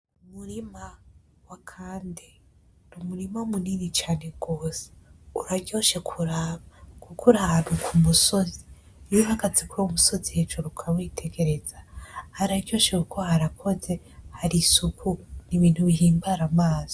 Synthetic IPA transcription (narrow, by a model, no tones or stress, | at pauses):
umuɾima | wakʰaːndi | numuɾimaumuniːnit͡ʃaːne̞ɡ̥o̞ːseuɾaɟo̞ːʃe̞kʰuɾaβakukʰuɾaβekʰumuso̞zi | juhaɡazikwoumuso̞zihe̞d͡ʒo̞ɾukʰawitʰe̞ɡe̞ɾe̞z̥ahaɾaɟo̞ːʃewukʰo̞haɾakʰo̞ze̞ | haɾisukʰuɾniβiːn̥huβiɦiːmbaɾamaːz̥o